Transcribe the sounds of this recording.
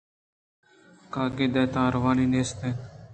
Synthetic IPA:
kaːɡeːd̪ɛːt̪ãːɾʋaːniːneːst̪eː

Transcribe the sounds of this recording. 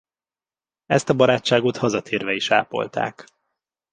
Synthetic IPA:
ɛ̰st̪ɒbɒɾaːt͡ʃːaːɡot̪hɒzɒt̪ʰeːrvɛiʃa̰ːpo̞̰lt̪a̰ːk

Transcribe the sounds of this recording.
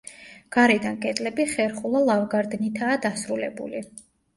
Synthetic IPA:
ɡ̥aɾɛd̪ankʼɛt̪ʼlɛbiχɛɾχulˠalˠavɡaɾd̪nit̪ʰaːd̪asɾulɛbṵli

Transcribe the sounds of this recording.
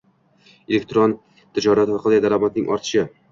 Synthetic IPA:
elek̚ʲt̪ɾon | t̪ʰɪd͡ʒɒɾat̪hɒɾqʰɑlˠad̪aɾlɒmat̪̚nɪŋʔɒ̰ɾt̪ʰɪ̥ʃɪ

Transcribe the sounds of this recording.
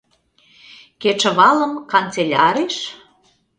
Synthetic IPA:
ket͡ʃə̆βɑləmkɑnt͡selʲɑɾeʃ

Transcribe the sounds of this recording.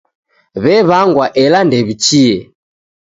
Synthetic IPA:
βɛβaŋɡwaʔɛlandɛβit͡ʃiɛ

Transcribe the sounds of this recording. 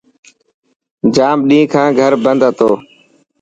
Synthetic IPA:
d͡ʒaːmɗĩːkʰãːɡʱəɾbənd̪ət̪oː

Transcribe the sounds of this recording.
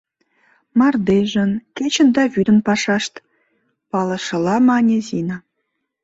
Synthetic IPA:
mɑrd̪eʒə̆nket͡ɕə̆nd̪ɑβyd̪ə̆npɑʃɑʃt̪ | pɑlɤ̆ʃɤ̆lɑmɑnʲezinɑ

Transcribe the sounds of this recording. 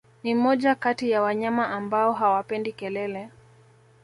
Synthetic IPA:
nimɔʄakatijawaɲamaʔambaɔɦawapɛndikɛlɛlɛ

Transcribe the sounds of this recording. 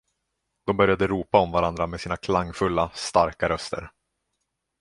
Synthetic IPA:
d̪̥ɔmbœɾjad̪əɾuːpaɔmvaɾand̪ɾamesiːnakʰlaŋːfɵlːast̪aɾkaɾœst̪ə̰ɾ

